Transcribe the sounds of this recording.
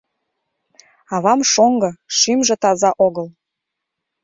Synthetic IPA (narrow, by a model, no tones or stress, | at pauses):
ɑβɑmʃoŋɡɤ̆ʃimʒĕt̪ɑzɑʔoɣəl